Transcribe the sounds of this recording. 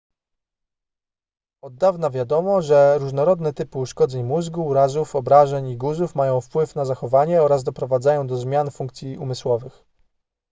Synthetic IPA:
ɔd̪ːavnavʲjad̪ɔmɔʐɛɾuʐnɔɾɔd̪nɛt̪ɘpɘuʂkɔd̪zɛɲmuzɡuːɾazufɔbɾaʐɛɲiɡuzufmajɔ̃w̃fpwɘfnazaxɔvaɲɛɔɾazd̪ɔpɾɔvad̪zajɔ̃w̃d̪ɔzmʲjanfuŋkt̪sʲjiʔumɘswɔvɘx

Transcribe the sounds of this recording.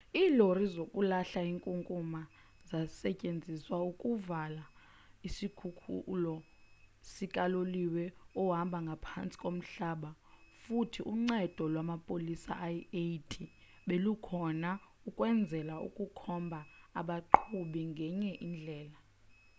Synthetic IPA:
iːlorizokʼulaɬaiŋkʼuŋkʼuma | zasɛcʼend͡zʱiswaukʼuvala | isikʰukʰṵlɔ | sikʼaloliwɛɔɦambʱaŋɡʱapʰant͡sʼi̥kʼom̩ɬaɓafutʰiʔuŋ͡ǀɛd̥ʱɔlwamapʼolisa̰ʔajetʼʰi | ɓelukʰɔnaukʼwɛnd͡zʱɛlaṵkʼukʰɔmbʱaːɓaǃʰuɓiŋɡʱɛɲɛʔind͡ɮʱɛːla

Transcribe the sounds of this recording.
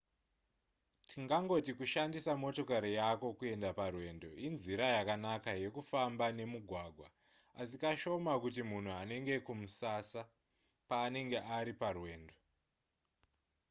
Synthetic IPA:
tʰiŋɡaŋɡo̞tikuʃandisamo̞to̞kaɾijako̞kue̞ndaparwe̞ːndo̞inziɾajakanakaje̞kufambane̞muɡʱwaɡʱwa | asikaʃo̞makut̬imun̤uane̞ŋɡe̞kumusasa | paːne̞ŋɡe̞ʔaɾiparwe̞ːndo̞

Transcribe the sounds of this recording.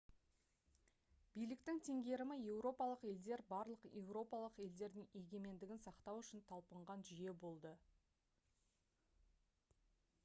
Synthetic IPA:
b̥ijlɪkt̪ɪŋt̪ʰe̞ŋɡʲe̞ɾɪmɪje̞wɾo̞pɑlˠəqe̞ld̪e̞ɾbɑɾlˠəqje̞wɾo̞pɑlˠəqe̞ld̪e̞ɾd̪ɪŋe̞ɡʲe̞me̞nd̪ɪɡʲɪnsɑqt̪ɑwʏʃɪnt̪ʰɑlˠpəɴʁɑnʒʏje̞bo̞lˠd̪ə

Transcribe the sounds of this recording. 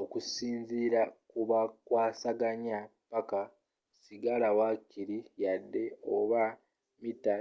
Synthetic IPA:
okusiːnziːɾakuβakwaːsaɡaɲapaka | siɡalawakiɾijadːe̞oβa | mitːa

